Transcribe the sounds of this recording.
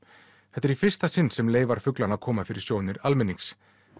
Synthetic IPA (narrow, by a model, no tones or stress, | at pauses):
θɛt̪ːɛɾifɪr̥st̪asɪnsɛmleːjvaɾ̥fʏklanakʰɔːmafɪɾɪ̥sjoːwnɪɾalmɪnːiks